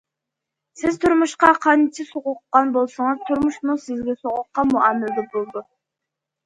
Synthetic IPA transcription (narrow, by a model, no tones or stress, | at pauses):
sɪzt̪ʰʊɾmʊʃqɑqʰɑnt̪ʰɪsoʁʊqːɑnbolˠsʊɴəzt̪ʰʊɾmʊʃmusɪzɡʲesoʁʊqːɑmʊɑmɪld̪ɪbolˠd̪ʊ